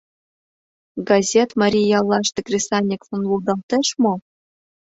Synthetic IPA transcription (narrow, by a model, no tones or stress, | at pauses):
ɡɑzʲet̪mɑɾʲijjɑlˠːɑʃt̪ĕkrʲisɑnʲːikfŏnlulˠd̪ɑlt̪ɤ̆ʃmo